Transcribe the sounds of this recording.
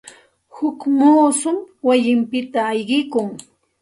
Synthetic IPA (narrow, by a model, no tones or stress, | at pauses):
hʊkmoːsʊmwajɪmpɪt̪aːjɢɪkʊŋ